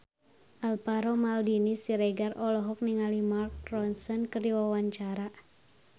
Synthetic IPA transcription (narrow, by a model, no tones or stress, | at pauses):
ʔalpaɾɔmaldinisiɾɛɡarɔlɔɦɔk̚niŋalimark̚rɔnsɔnkərdiwawaɲt͡ʃaɾa